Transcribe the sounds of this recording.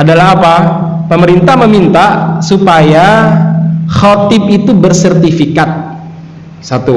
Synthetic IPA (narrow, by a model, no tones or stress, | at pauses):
adalaɦapa | pəməɾint̪ahməmint̪asupaja | xɔt̪ɪp̚it̪ubərsɛrt̪ifikat̪̚ | sat̪u